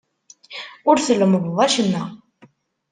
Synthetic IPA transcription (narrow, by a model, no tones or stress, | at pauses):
ʊɾθəlːəmðˤðˤæʃənːæ